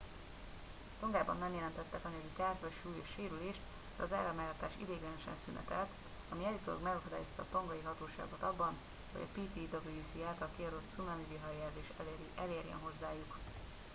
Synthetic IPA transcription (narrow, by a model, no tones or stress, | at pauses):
t̪oŋɡaːbɒnːɛmjɛlɛnt̪ɛt̪ːɛkɒnøɡit̪aːrʒvɛʃuːjeːʃʃeːɾyleːʃt̪ | d̪̥ɛ̰ɒza̰ːɾɒmɛɡɦɒt̪aːʃḭd̪eːɡɛnɛʃɛ̰nsynɛ̰t̪ɛlt̪ | ɒmiɛlit̪oo̰ɡmɛɡɒkod̪a̰ːjo̞st̪ɒ̰ːt̪o̞ŋɡɒjiɦɒt̪oːʃa̰ːɡo̞t̪ɒbːɒn | ho̞ɟɒ̰piːt̪id̪oɡijyːsiaːlt̪ɒlkiɒɾot̪sunɒniviɦɒɛrzeːʃʔɛleːɾjɛ̰nɦo̞zːaːjuk